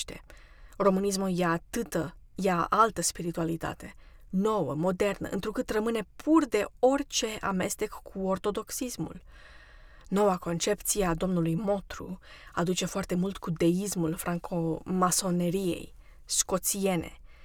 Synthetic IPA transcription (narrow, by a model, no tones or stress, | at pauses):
ʃt̪e̞̰ro̞mɨnis̬mujat̪ɨt̪ə | jaalt̪əspiɾit̪ualit̪a̰t̪e̞no̞wə̰mo̞d̪e̞rnə̰ʔɨ̰nt̪ɾukɨt̪rəmɨne̞pʰurd̪e̞o̞rt͡ʃe̞ʔa̰me̞st̪e̞kkːuo̞rt̪o̞d̪o̞ksismṵl | no̞wako̞nt͡ʃe̞pt̪siead̪o̞mnulujmo̞t̪ɾṵ | ad̪ut͡ʃe̞foart̪e̞mult̪kud̪e̞ismulfɾaŋkʰomaso̞ne̞ɾije̞̰j | sko̞t̪sije̞ne̞̰